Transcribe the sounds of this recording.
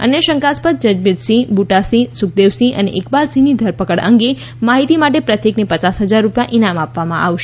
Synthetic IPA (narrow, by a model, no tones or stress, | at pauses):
ə̰neʃə̃ŋkaspət̪̚d͡ʒəd͡ʒbɪd̪sĩbuʈasisʊk̚d̪eʋsiʔə̰nḛʔekbalsinid̪ʱəɾpəkəɽə̰̃ŋɡe | maɦit̪imaʈepɾət̪jeknipət͡ʃasɦəd͡ʒaɾːupjaʔinamapʋamã̰ʔa̰ʋʃe